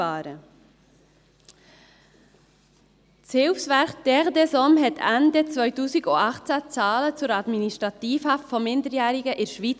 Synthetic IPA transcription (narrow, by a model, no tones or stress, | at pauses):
ɑːɾə | t͡shɪlfsvæɾχd̥ɛʁd̪ɛsɔmɦɛtʰændɛt͡svœʏtuːsiɡoɑχt͡sæt͡sɑːlət͡sʊɾɑd̪miniʃtʁɑtiːfhɑftfɔmɪndəɾjæːɾɪɡəʔɪɾʃʋiːt͡s